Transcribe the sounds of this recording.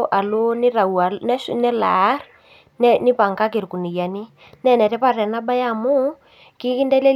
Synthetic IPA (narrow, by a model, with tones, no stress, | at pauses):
ʔa˨lo˦ni˦ɾa˨u˨a˨nɛ˦ʃnɛ˦la̰˨˦ɾ | ni˦pa˨ŋka˦k̬e˨ɾku˨ni˨ja˨ni˦ | nɛ˦˨nɛ˨tɛ˦pa˦˨tɛ˨na˦ba˦ja˦˨mu˦ | ki˦ki˦ndɛ˦lɛ˦